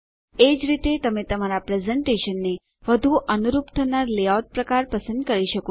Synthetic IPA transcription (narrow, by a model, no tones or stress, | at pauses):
ed͡ʒɾit̪et̪əmẽt̪əmaɾapɾɛzɛɳʈeʃənːe | ʋəd̪ʱuʔənuɾupt̪ʰənaɾleawʈ̚pɾəkaɾpəsənd̪̚kəɾiʃəko